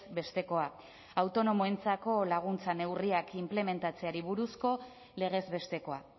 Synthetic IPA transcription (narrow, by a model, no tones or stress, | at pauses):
be̞st̪e̞ko̞a | awt̪o̞no̞moent͡sako̞laɣ̞unt͡sane̞wriakimple̞me̞nt̪at͡se̞aɾiβuɾusko̞ | le̞ɣ̞e̞zβe̞st̪e̞ko̞a